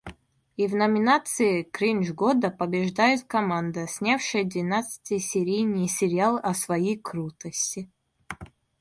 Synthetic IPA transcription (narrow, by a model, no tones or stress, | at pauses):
ivnɐmʲɪnat̪sɨɪkɾinʲʐɡɔd̪əpɐbʲɪʐd̪ajɪt̪kɐmand̪əsʲnʲafʂɨjəd̪vʲɪnat̪sɨ̥tʲɨjsʲɪɾʲijnʲijsʲɪɾʲɪalˠɐsvɐjijkɾut̪əsʲtʲɪ